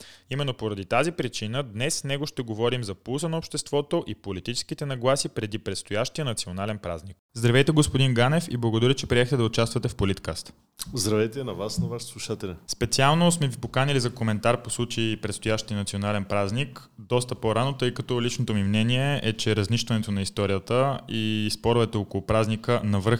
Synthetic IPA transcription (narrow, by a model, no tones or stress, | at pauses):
imɛnːopoɾɐd̪it̪azipɾit͡ʃinəd̪nɛsːnɛɡoʃt̪ɛɡovɔɾimzɐpusənɐopʃt̪ɛst̪vɔt̪oʔipolit̪it͡ʃɛ̥skit̪ɛnɐɡlˠasipɾɛd̪ipɾɛt̪st̪ojaʃt̪ijənɐt̪sionalɛnpɾa̰znik̚ | zd̪ɾɐvɛjt̪ɛɡospod̪inɡanɛfḭblˠɐɡod̪ɐɾit͡ʃɛpɾiɛxt̪ɛd̪ɐʊt͡ʃast̪vət̪ɛfpolit̪kast̪ | zd̪ɾɐvɛjt̪ɛnɐvasnɐvaʃslˠuʃat̪ɛlɛspɛt̪sialˠnosmɛvipokanilizɐkomɛnt̪aɾposlˠut͡ʃəipɾɛt̪st̪ojaʃt̪iənɐt̪sionalɛnpɾaznik | d̪ɔst̪ɐpoɾanot̪ɤjkɐt̪ɔlit͡ʃnot̪omimnɛniɛʔɛt͡ʃɛɾɐzniʃt̪vɐnɛt̪onɐist̪ɔɾijət̪əispɔɾvɛt̪ɛokolˠʊpɾaznikənɐvɤɾx